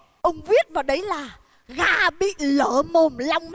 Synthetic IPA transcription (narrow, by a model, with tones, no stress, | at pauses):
ʔə˧wŋ͡mvi˦˥ət̚vaː˨˩wɗə˨˦jlaː˨˩ | ɣaː˧ɓḭ˧˨ləː˧˩˦mo˨˩nla˧wŋ͡mm